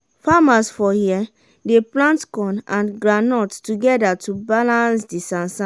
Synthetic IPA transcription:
famasfɔhiɛ | deplãntkɔ̃nãnɡɹanɔttuɡɛdatubalãnsdisãnsã

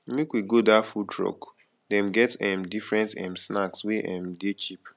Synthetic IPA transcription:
mekwiɡodafutɹɔ̰k | dɛ̃mɡɛtɛ̃mdifɹɛ̃ntɛ̰̃msnaksweʔɛ̃mɡet͡ʃip

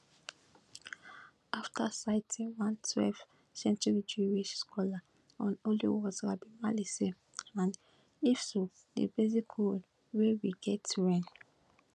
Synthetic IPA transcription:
aftʰasaɪtʰĩwãntʰwɛ̰lv | sɛ̃ntiɹid͡ʒɹiwiʃskɔla | ɔ̃nolḭwɔsɾabimalise | ãn | ifso | dḛbezikʰo | wewiɡɛtɹɛ̃n

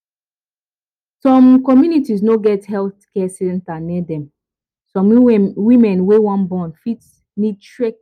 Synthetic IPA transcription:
sɔ̃mkɔmjunitisnoɡɛthɛlθkɛsɛɛ̃ntanɛdɛ̃m | sɔ̃mwimɛ̃nwewãnbɔ̃nfit | nid̚tɹɛks

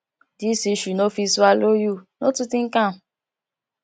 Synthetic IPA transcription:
disiʃunofiswalojunotutĩŋ̩kam̩

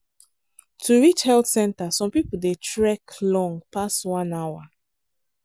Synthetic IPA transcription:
tʰuɹit͡ʃhɛltsɛ̃ntasɔ̃mpipudetɹɛklɔ̃ŋpastwãnawa

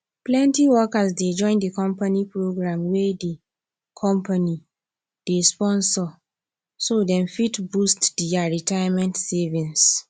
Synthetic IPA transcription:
plɛ̃ntiwɔkasded͡ʒɔ̃ɪ̃ndikɔ̃mpanipɹoɡɹãmwɛde | kʰɔ̃mpʰani | d̥espɔ̃nsɔ | sodɛ̃mfitbustdiaɹitajamɛ̃ntsɛvĩns

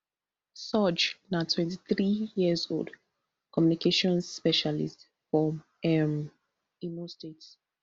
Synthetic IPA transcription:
sɔd͡ʒnatʰwɛ̃ntiθɹijiəzo̰ld | kʰɔmjunikʰeʃɔ̃nsspɛʃalḭst | fɔm | ɛm | inostets

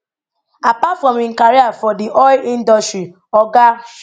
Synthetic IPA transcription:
apatfɾɔ̃mĩŋkaɾiafɔdiʔɔĩndɔstɾi | ɔɡa

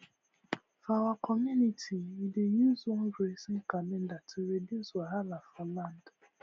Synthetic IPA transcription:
fawakʰɔmunitiidejuzɔ̃nɾesiŋ̩kalẽndatʰiɾediswaalafalãnd

